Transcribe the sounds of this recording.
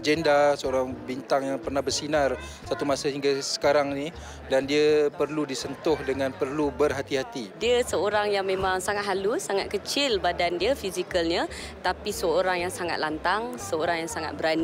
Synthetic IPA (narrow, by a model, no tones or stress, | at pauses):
d͡ʒɛndasəoɾaŋbint̪aŋjaŋpərnahbərsinar | sat̪umasaɦiŋɡasə̥kaɾaŋni | dandiəpərludisənt̪ʊhdəŋãnpərlubərɦat̪iɦat̪idiəsəoɾaŋjaŋmemaŋsaŋat̪̚ɦalusaŋat̪̚kət͡ʃɪlbadandiəfizikəlɲə | t̪apisəoɾaŋjaŋsaŋa̰t̪̚lant̪aŋsəoɾaŋjaŋsaŋa̰t̪̚bəɾan